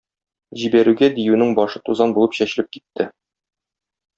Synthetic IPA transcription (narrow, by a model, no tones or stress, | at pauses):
ʑibæɾʉɡæd̪ijʉnɘŋbɒʃɤt̪uzɑnbulˠɤpɕæɕɘ̆lɘp̚ki̥t̪ːɘ